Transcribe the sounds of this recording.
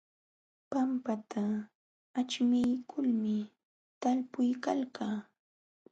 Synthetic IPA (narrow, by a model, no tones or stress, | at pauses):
pampat̪ʰa | at͡ʃmɪjkʰʊlmɪ | t̪alpʊjkalkaː